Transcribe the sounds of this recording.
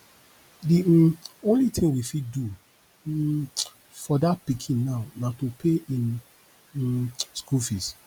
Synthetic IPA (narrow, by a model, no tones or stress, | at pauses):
diõnlitʰĩŋwifiddu | fɔdat̚pikʰĩnːaʊnatopʰeĩn | skulfis